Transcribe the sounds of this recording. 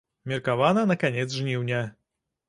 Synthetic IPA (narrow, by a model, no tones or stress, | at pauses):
mʲɛɾkavananakaɲɛd̪zʐɲʲiwɲʲɛ